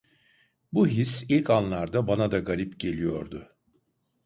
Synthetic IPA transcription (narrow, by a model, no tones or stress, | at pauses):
buɦisilʲkʰanlˠaɾd̪abanad̪aɡaɾipɟe̞lʲijo̞̰ɾd̪ʊ